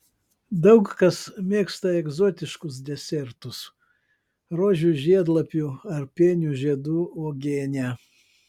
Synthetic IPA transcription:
d̪ɐʊkkɐsmʲeːkst̪ɐɛɡzoːt̪ʲɪʃkʊs̬d̪ʲɛsʲɛɾt̪ʊs | ɾoːʒʲuʒʲiɛd̪lˠɐpʲuːɐɾpʲeːnʲuːʒʲiɛd̪uːoːɡʲeːnʲæː

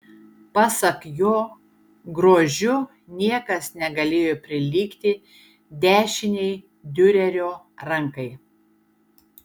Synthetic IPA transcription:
pɑsɐkjoː | ɡɾoːʒʲʊ | nʲiɛkɐsnʲɛɡɐlʲeːjoːpʲɾʲɪlʲiːkt̪ʲɪ | d̪ʲæːʃʲɪnʲɛɪ | d̪ʲʊɾʲɛɾʲoː | ɾɐŋkɐɪ

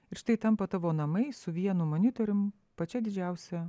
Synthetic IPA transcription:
ɪɾʃt̪ɐɪt̪ɐmpɐt̪ɐʋoːnɐmɐɪsʊʋʲiɛnʊmonʲɪt̪oɾʲʊm | pɐt͡ʃʲɛd̪ʲɪd͡ʒʲæˑʊsʲɛ

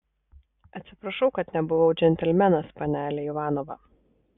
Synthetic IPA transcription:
ɐt̪ʲsʲɪpɾɐʃɒʊkɐt̪nʲɛbʊʋɐʊd͡ʒʲɛnʲt̪ʲɛlʲmʲɛnɐspɐnʲæːlʲejɪʋɑːnoʋɑ̰

